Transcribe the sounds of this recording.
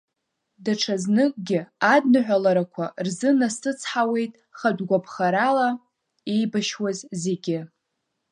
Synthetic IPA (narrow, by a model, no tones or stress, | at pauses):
daʈ͡ʂʰaznɨkʼɡʲɪadnɨħʷᶣalaɾakʷʰarzɨnasɨt͡sʰħawe̞jtʼ | χadɡʷapʰχaɾala | e̞jbaʃwazze̞ɡʲɪ